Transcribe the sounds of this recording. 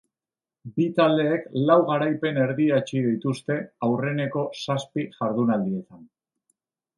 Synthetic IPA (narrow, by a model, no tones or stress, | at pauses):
bit̪ald̪e̞ːklawɣaɾajpe̞ne̞ɾðiat͡ʃiðit̪ust̪e̞awre̞ne̞ko̞saspiʝaɾðunald̪ie̞t̪an